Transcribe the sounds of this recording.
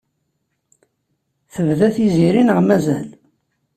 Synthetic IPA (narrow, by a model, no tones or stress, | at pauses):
θəvðæθiziɾinəʁmæzæl